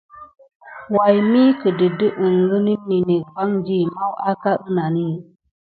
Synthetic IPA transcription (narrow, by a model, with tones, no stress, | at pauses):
wa˨jmi˦kə˨di˨də˦ʔɨ˨nɾi˦ni˦ni˨ne˨fa˦ŋd͡ʒi˦˨ma˦wa˦ka˦ʔɨ˦na˨ni˦